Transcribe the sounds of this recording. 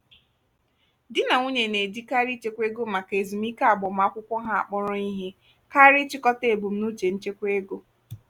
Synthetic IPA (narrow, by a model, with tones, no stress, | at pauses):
dɪ˦na˨ŋʷu˦ɲe˨ne˨di˦ka˦ɾi˦t͡ʃe˦kʷe˦ɡo˦ma˨ke˨zi˨m̩˦i˦ka˦a˨bʊ˨m̩˦a˦kʷʊ˦kʷɔ˦ɦa˦a̰˨k͡pɔ˦ɾɔ˦i˦ɦe˦ | ka˦ɾɪ˦t͡ʃɪ˦kɔ˦te˨bu˨m̩˦nu˦t͡ʃe˨n̩˦t͡ʃe˦kʷe˦ɡo˦